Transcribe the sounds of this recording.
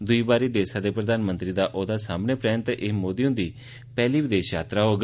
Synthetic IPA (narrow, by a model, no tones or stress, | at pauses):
d̪ʊiːbaːɾid̪eːsad̪eːpɾəd̪aːnmə̃nt̪ɾid̪aʔoːd̪asaːmnepɾɛːnt̪ʔemoːd̪iːõːd̪iː | pɛːliʋɪd̪eːʃjaːt̪ɾaɦoːɡ